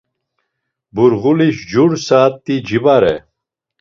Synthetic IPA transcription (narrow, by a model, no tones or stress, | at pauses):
buɾʁuliɕd͡ʑuɽsaːt̪ːid͡ʑibaɾe